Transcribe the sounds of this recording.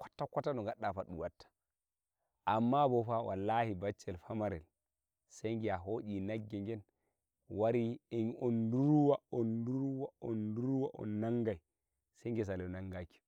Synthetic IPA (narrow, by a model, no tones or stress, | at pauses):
kɔ̥tːakɔtːanɔŋɡaɗːafaɗṵwatːḁ | ʔamːabɔfawa̰lːahibat͡ʃːɛlfamaɾɛ̰l | sajŋɡɛaɦoɗinaɡːɛŋɡɛn | waɾiɛnɔnduɾuwaɔnduɾuwaɔnduɾuwaʔɔ̰nːaŋɡaj | sajŋɡɛs̬alɛnaŋɡaki̥